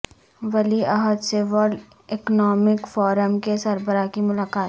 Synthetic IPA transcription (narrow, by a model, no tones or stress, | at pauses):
ʋɐliaɦəd̪seʋəɾɖ | ɪknɔːmɪkfɔːɾəmkesɐɾbəɾakimʊlaːkaːt̪